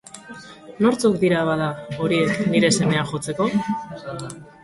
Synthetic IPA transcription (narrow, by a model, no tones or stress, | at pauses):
no̞ɾt͡sukd̪iɾaβaðao̞ɾie̞kniɾe̞se̞me̞aʝo̞t͡se̞ko̞